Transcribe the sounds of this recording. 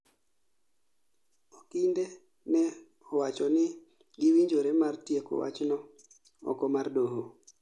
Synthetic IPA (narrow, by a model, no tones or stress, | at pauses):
ɔkinde | nɛ | ɔwat͡ʃɔnɪ | ɡɪwiɲd͡ʒoɾemartjeko̰wa̰t͡ʃnɔ | ɔ̰kɔmardoɦo